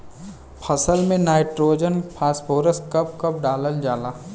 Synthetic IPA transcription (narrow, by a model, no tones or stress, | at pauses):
pʰɐsəlmẽnaːɪʈɾoːd͡ʒənpʰaːspʰoːɾəskɐp̚kɐp̚ɖaːləld͡ʒaːlaː